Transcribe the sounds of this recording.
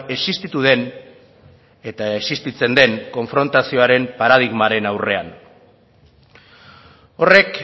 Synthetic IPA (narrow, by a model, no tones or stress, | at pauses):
e̞sist̪it̪uð̞e̞n | e̞t̪aesist̪it͡se̞nd̪e̞ŋko̞ɱfɾo̞nt̪asio̞aɾe̞mpaɾað̞iɣmaɾe̞nawre̞a̰n | o̞re̞k